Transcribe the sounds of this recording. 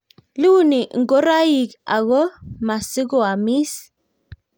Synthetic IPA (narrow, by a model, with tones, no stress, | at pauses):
lu˦ni˨ʔŋɡo˦ɾa˦ji˨ka̰˨ɣo˦ma˨si˦ɡo˨a˨mi˦s